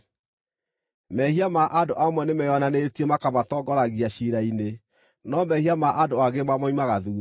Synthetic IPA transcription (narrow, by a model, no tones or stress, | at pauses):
mɛhiamaʔadoʔamwɛnemɛjɔnanetiemakamatɔɡɔɾaɣiaʃiɾaine | nɔmɛhiamaʔadoaɣemamɔimaɣaðu